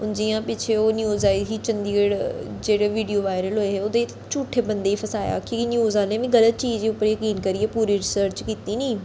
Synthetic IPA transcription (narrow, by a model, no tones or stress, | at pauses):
ʊnd͡ʑijãpɪt͡ʃʰeonjuːzaːiɦit͡ɕɐ̃nd̪ieɽd͡ʒeːɽeʋiːɖijoʋaːɪɾəlɦʊeɦeʊd̪e | t͡ɕuːʈʰebɐ̃nd̪eifʰɐsaːja̰kikinjuːzaːlẽʋĩɡɐlət̪̚t͡ʃiːzd͡ʑiːʊpəɾjɐkiːnkɐɾiepuːɾiɾɪsəɾt͡ʃkiːt̪inĩː